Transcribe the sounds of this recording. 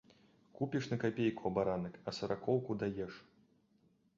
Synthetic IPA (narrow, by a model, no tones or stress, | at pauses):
kupʲiʂnɐkapʲejkuɐbaɾanɨkɐsɐɾakɔwkud̪ajɛʂ